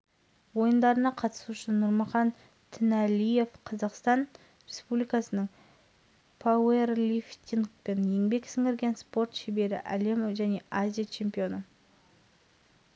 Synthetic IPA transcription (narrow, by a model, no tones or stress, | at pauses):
wo̞jənd̪ɑɾənɑqʰɑt̪ə̥suʊʃənʊɾmɑχɑn | t̪ʰɪnælʲije̞fqʰɑzɑqst̪ɑn | ɾe̞spublijkɑsənəɴ | pʰawerlʲift̪ʲiŋɡpe̞nje̞ŋbe̞ksɪŋɪɾɡʲe̞nspo̞ɾt̪ʃebe̞ɾɪ̰ʔæ̰le̞mʒæne̞ʔazʲijat͡ʃʰe̞mpʲijo̞nə